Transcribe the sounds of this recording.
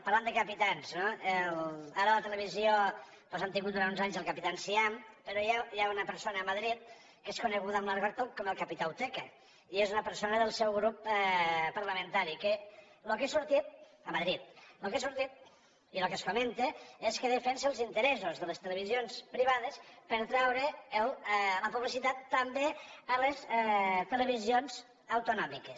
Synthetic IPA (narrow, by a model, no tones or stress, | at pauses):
paɾland̪əkəpit̪anznoelaɾələt̪ələβ̞izijo | pɔzant̪ĩŋɡut̪̚uɾant̪unzaɲzəlˠkəpit̪ansiampəɾojajaunəpəɾsonəːməðɾit̪̚ | keskunəɣuðəmlaɾɣəɾt̪okːɔməlˠkəpit̪awt̪ɛkə | iezunəpəɾsonəðəlˠsɛwɣɾup | pəɾləmənt̪aɾikəlokesuɾt̪it̪̚ | əmaðɾit̪̚lokesuɾt̪it̪̚ | ilokəsfoment̪eeskəðəfɛnseəlˠzint̪əɾɛzuzðələst̪ələβ̞izionspɾiβaðəspəɾt̪ɾɛwɾeəlləpuβlisit̪at̪ːəmbeəlest̪ələβ̞izijonz | əwt̪unɔmikes